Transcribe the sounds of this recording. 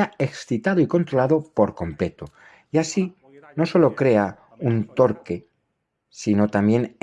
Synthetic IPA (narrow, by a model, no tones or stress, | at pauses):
aeksθit̪aðoiko̞nt̪ɾolaðo̞po̞ɾko̞mple̞t̪o | jasi | no̞so̞lo̞kɾe̞a | unt̪o̞ɾke̞ | sino̞t̪amje̞n